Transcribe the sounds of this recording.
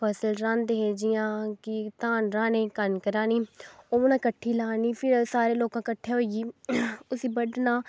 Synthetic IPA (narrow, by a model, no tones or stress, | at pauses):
pʰəsəlɾãnd̪eɦeːd͡ʒɪjãːkɪt̪ãːnɾãːnẽːkənkəɾãːniːoːnãːkəʈʰːiːlaːniːpʰɪɾsaːɾeːloːkãːkəʈʰːeːɦoːiiːʊsiːbəɖnãː